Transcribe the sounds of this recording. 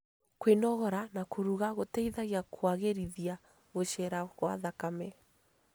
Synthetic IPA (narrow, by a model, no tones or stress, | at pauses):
kwenɔɣɔɾanakoɾuɣaɣotɛiðaɣiakʰwaɣeɾiðia | ɣoɕɛɾaɣwa̰ðakamɛ